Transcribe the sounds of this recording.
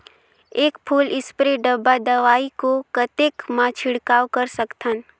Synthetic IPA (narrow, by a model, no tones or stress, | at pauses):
eːkpʰuːlɪspɾeɖəbːad̪ɐʋaːikokət̪eːkmãːt͡ʃʰɪɽkaːwkəɾsəkt̪ən